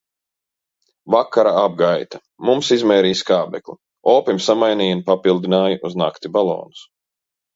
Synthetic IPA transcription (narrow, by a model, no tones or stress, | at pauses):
vakːaɾaab̚ɡajt̪a | mumsizmɛːɾiːskaːbɛkli | ɔːpimsamajniːjunpapilˠd̪inaːjaʔuzna̰kt̪ibalˠɔ̰ːnu̥s